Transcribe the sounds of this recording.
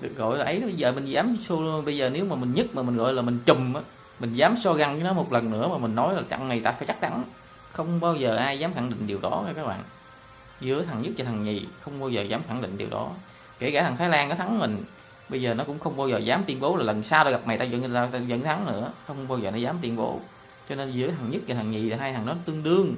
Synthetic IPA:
ɗɨ˨˩k̚ɣɔ̰˧˨jlaː˨˩ʔə˨˦jɓə˧jzəː˨˩mï˨˩ŋzaː˨˦mso˧lɓə˧jzəː˨˩ne˨˦wmaː˨˩mï˨˩ŋ̟ɲɨ˦˥t̚maː˨˩mï˨˩ŋ̟ɣɔ̰˧˨jlaː˨˩mï˨˩ŋ̟t͡ɕʊ˨˩mʔaː˨˦ | mï˨˩ŋ̟zaː˨˦msɔ˧ɣa˨˧˩ŋkɨ˨˦nɔ˨˦mo˨˩t̚lə˨˩nnɨ̰˧˥əmaː˨˩i˨˩ŋ̟nɔ˨˦jlaː˨˩t͡ɕa̰˧˨ŋma˨˩jt̪aː˧fa˧˦t͡ɕa˦˥k̚t͡ɕa˨˦ŋ | xə˧wŋ͡mɓaː˧wzəː˨˩ʔaː˧jzaː˨˦mxa˧˩ŋɗḭ̈˧˨ŋ̟ɗi˨˩əwɗɔ˨˦a˨˦kaː˦k̚ɓa̰ː˧˨n | zɨ˨˦ət̪ʰa˨˩ŋɲɨ˦˥t̚t͡ɕa˧t̪ʰa˨˩ŋɲi˨˩xə˧wŋ͡mɓaː˧wzəː˨˩zaː˨˦mxa̰˧˩ŋɗḭ̈˧˨ŋ̟ɗi˨˩əwɗɔ̰˨˦ | ke˧˩kaː˧˩t̪ʰŋt̪ʰːjlaː˧nka˨˦t̪ʰa˨˦ŋmï˨˩ŋ̟ | ɓə˧jzəː˨˩nɔ˨˦kʊ̰˧˥ŋ͡mxə˧wŋ͡mɓaː˧wzəː˨˩zaː˨˦mt̪wi˧nɓo˨˦wlaː˨˩lə˨˩nsaː˧wɗɔ˧˩ɣa˨˩p̚ma˨˩jt̪aː˧zə̰˧˥na˧zə̰˧˥nt̪ʰa˨˦ŋnɨ̰˧˥əxə˧wŋ͡mɓaː˧wzəː˨˩nɔ˨˦zaː˨˦mt̪wi˧ənɓo˨˦ | t͡ɕɔ˧ne˧nzɨ˨˦əjt̪ʰa˨˩ŋɲɨ˦˥t̚zaː˨˩a˨˩ŋi˨˩a˨˩ɦaː˧jt̪ʰa˨˩ŋnɔ˨˦t̪ɨ˧əŋɗɨ˧əŋ

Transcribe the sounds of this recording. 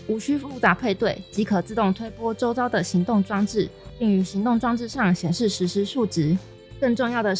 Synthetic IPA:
u˨˩ɕy˥fu˥˩t͡sa˨˥pʰe˥˧ɪt̪we˥˩ɪt͡ɕi˧˥kʰɤ˨˩t͡sɹ̩˥˧t̪ʊ˥˨˩ŋt̪ʰwe˥ɪpwɔ˥ʈ͡ʂo˥ʊt͡sɑ˥ʊd̪ə˨ɕi˧˥ŋt̪ʊ˥˨ŋʈ͡ʂwɑ˥ŋʈ͡ʂɻ̩˥˩i˥˩ŋy˧˥ɕi˧˥ŋt̪ʊ˥˩ŋʈ͡ʂwɑ˥ŋʈ͡ʂɻ̩˥˧ʂɑ˥˩ŋɕjɛ˨˩nʂɻ̩˥˩ʂɻ̩˧˥ʂɻ̩˧˥ʂu˥˩ʈ͡ʂɻ̩˧˥˦ | kə˥˧nʈ͡ʂʊ˥˧ŋjɑ˥˩ʊd̪ə˩

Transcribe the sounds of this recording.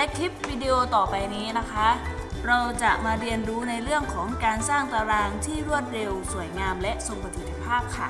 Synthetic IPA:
lɛ˦˥kʰli˦˥p̚wiː˧di˧ʔoː˧t̪ɔː˨˩pa˧jniː˦˥na˦˥kʰa˦˥ʔ | ɾa˧wt͡ɕa˨˩ʔmaː˧ɾi˧ənɾuː˦˥na˧jɾɯ˥˩əŋkʰɔː˩˦ŋkaː˧nsaː˥˩ŋt̪aː˧ɾaː˧ŋt̪ʰiː˥˩ɾu˥˩ət̪̚ɾe˧wsu˨˩˦əjŋaː˧mlɛ˦˥ʔso˧ŋpa˧t̪ʰi˨˩t̪ʰːi̥˧pʰaː˥˩p̚kʰa˥˩

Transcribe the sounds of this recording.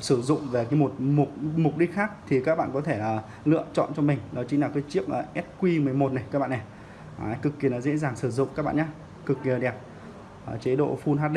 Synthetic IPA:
sɨ˧˩zʊ̰˧˨ŋ͡mve˨˩kaː˨˦mo˨˩t̚mʊ˨˩k̚mʊ˨˩k͡p̚ɗi˦˥t̚xaː˦˥k̚t̪ʰi˨˩kaː˦˥k̚ɓa̰ː˧˨nkɔ˨˦t̪ʰe˧˩ʔəː˨˩ | lɨ̰˧˨ət͡ɕɔ̰˧˨nt͡ɕɔ˧mï˨˩ŋ̟nɔ˨˦t͡ɕï˨˦ŋlaː˨˩kaː˨˦jt͡ɕi˦˥əp̚ʔəː˨˩ʔɛ˦˥t̚kwi˧mɨ˨˩əjmo˨˩t̚ne˨˩kaː˦˥k̚ɓaː˧˨nɛ˨˩ | ʔaː˨˩˦kɨ˨˩kːi˧˩ənɔ˨˦zḛ˧˥zaː˨˩ŋsɨ˧˩zʊ̰˧˨ŋ͡mkaː˦˥k̚ɓa̰ː˧˨ɲaː˧ | kɨ˨˩k̚ːi˧˩əɗɛ˨˩p̚ | ʔə˨˩t͡ɕe˨˦ɗo̰˧˨fu˧nɦaː˦˥t̚ɗi˧

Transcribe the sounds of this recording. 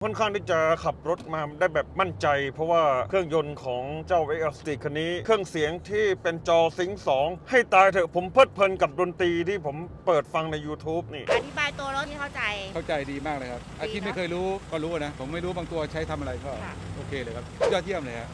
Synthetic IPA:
kʰo˥˩nkʰaː˥˩ŋt̪ʰiː˥˩t͡ɕa˨˩kʰa˨˩p̚ɾo˦˥t̪̚maː˧daː˥˩jbɛː˨˩p̚ma˥˩nt͡ɕa˧jpʰɔ˦˥waː˥˩kʰɯ˥˩əŋjo˧nkʰɔː˩˦ŋt͡ɕaː˥˩wʔe˦˥ʔst̪iː˨˩kʰa˧nːiː˦˥kʰɯ˥˩əŋsi˩˦əŋt̪ʰiː˥˩pe˧nt͡ɕɔː˧si˩˦ŋsɔː˩˦ŋha˥˩jt̪aː˧jt̪ʰɤː˧˩pʰo˩˦mpʰɤː˥˩t̪̚pʰɤː˧nka˨˩p̚ɾo˧nt̪iː˧t̪ʰiː˥˩pʰo˩˦mpɤː˨˩t̪̚fa˧ŋna˧jːuː˧t̪ʰuː˦˥p̚niː˥˩ʔa˧t̪ʰi˦˥baː˧jt̪u˧ɐɾo˦˥t̪̚i˥˩kʰa˥˩wt͡ɕa˧jkʰa˥˩wt͡ɕa˧jdiː˧maː˥˩k̚lɤː˧kʰa˦˥p̚ʔa˧iː˦˥˩ma˥˩jkʰːjɾuː˦˥kɔː˥˩ɾuː˦˥a˧˩na˦˥pʰo˩˦mːa˥˩jɾuː˦˥baː˧ŋt̪u˧ɐt͡ɕʰa˦˥jt̪ʰa˧mʔa˧ɾa˧jkɔː˥˩˧ʔoː˧kʰeː˧ləː˧jkʰa˦˥p̚ʰjɔː˥˩t̪ʰːi˥˩əmlɤː˧kʰa˦˥

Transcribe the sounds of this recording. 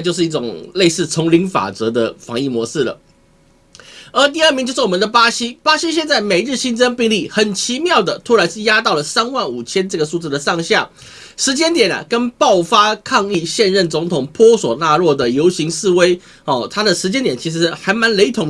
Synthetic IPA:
t͡ɕjo˥˧ʊʂɻ̩˥˧i˥˩ʊ˨˩ŋle˥˧ɪsɹ̩˥˩t͡sʰʊ˧˥ŋli˧˥ŋfa̰˨˩t͡sɤ˧˥d̪ə˧fɑ˧˥ŋi˥˩mwɔ˧˥ʂɻ̩˥˩lə̰˩ | ə˞˧˥t̪̬i˥˧ə˥˩mi˧˥ŋt͡ɕo˥˧ʂɻ̩˥˩wɔ˨˩mə˧nd̪ə˧pa˥ɕi˥pa˥ɕi˥ɕ̬jɛ˥˧nt͡sa˥˩ɪme˨˩ɪɻɻ̩˥˩ɕi˥nt͡sə˥ŋpi˥˧ŋli˥˩xə˨˩nt͡ɕʰi˧˥mjɑ˥˩ʊd̪ə˩t̪ʰu˥la˧˥ɪʂɻ̩˥˩ja˥t̪ɑ˥˩ʊlə˩sa˥nwa˥˩nu˨˩t͡ɕʰjɛ˥nʈ͡ʂɤ˥˩ɡə˩su˥˧t͡sɹ̩˥˩d̪ə˩ʂɑ˥˧ŋɕja˥˩ | ʂɻ̩˧˥t͡ɕjɛ˥nt̪jɛ˨˩nə̰˩kə˥npɑ˥˩ʊfa˥kʰɑ˥˧ŋi˥˧ɕjɛ˥˧nɻə˥˩nt͡sʊ˧˥ŋt̪ʰʊ˨˩ŋpʰwɔ˥swɔ˨˩na˥˧ɻwɔ˥˩d̪ə˩jo˧˥ʊɕi˧˥ŋʂɹ̩˥˩˧we˥ɪ | ɔ˥˩t̪ʰa˥d̪ə˨ʂɻ̩˧˥t͡ɕjɛ˥nt̪jɛ˨˩nt͡ɕʰi˧˥ʂ̬ɻ̩˧˥xa˧˥ɪma˧˥nle˧˥ɪt̪ʰʊ˧˥ŋ

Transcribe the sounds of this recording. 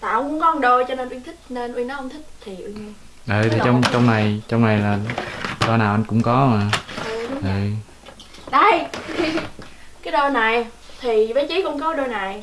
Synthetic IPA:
t̪aː˨˧˩ʔŋ͡mkʊ˧˥ŋ͡mkɔ˨˦ə˧ŋ͡mɗo˧jt͡ɕɔ˧ne˧nʔwi˧ŋt̪ʰï˦˥k̟̚ne˧nʔwi˧ŋnɔ˨˦ə˧ŋ͡mt̪ʰï˦˥k̚t̪ʰi˨˩ʔwi˧ŋɲ˧ | ʔəː˨˩t̪ʰi˨˩t͡ɕɔ˧wŋ͡mt͡ɕɔ˧wŋ͡mna˨˩jt͡ɕɔ˧ŋ͡mna˨˩jlaː˨˩ɗɔ˧naː˨˩wʔa˧jŋ̟kʊ̰˧˥ŋ͡mkɔ˨˦aː˨˩ʔə˨˧˩ɗʔə˧˩ | ɗa˧˩j | kaː˨˦jɗɔ˧na˨˩j | t̪ʰi˨˩və˨˦nt͡ɕi˨˦kʊ̰˧˥ŋ͡mkɔ˨˦ɗo˧jna˨˩j

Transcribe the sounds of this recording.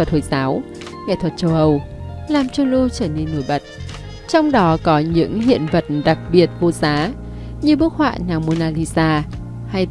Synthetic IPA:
ə˨˩t̚ho˨˦jzaː˨˦w | ŋɛ̰˧˨t̪ʰwə˨˩t̚t͡ɕə˧wʔə˨˩w | laː˨˩mt͡ɕɔ˧lo˧t͡ɕəː˧˩ne˧nːo˧˩jɓə˨˩t̚ | t͡ɕɔ˧wŋ͡mɗɔ˨˦kɔ˨˦ɲɨ̰˧˥ŋhḭ˧˨ənvə˨˩t̚ɗa˨˩k̚ɓi˨˩ət̚vo˧zaː˨˦ | ɲɨ˧ɓɨ˦˥ək̚hwa̰ː˧˨naː˨˩ŋmo˧naː˧li˧zaː˧ | ha˧j

